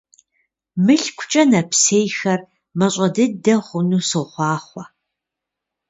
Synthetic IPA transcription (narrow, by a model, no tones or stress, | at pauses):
mɨɬkʷʰʊt͡ʃʼɐnɐpʰseːjxɐr | mɐɕʷʼɐdɨdɐχʷʊnuːsɨχʷɑːχʷɔ